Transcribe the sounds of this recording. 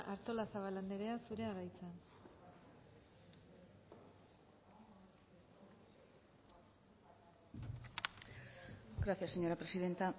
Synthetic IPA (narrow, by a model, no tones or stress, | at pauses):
ʔaɾt̪o̞lasaβaland̪eɾe̞asuɾe̞aɾajt͡san | ɡɾaθiasːeɲo̞ɾapɾe̞siðe̞nt̪a